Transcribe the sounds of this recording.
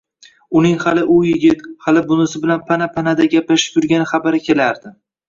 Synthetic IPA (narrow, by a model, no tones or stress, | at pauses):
ʊnɪŋhalɪʔʊjɪɡʲɪt̪halɪbʊnɪsɪbɪlanpʰanapʰanad̪aɡʲaplaʃɪ̥p̚t̪ʰʊɾɡʲanɪχabaɾɪkʲʰe̞laɾd̪ɪ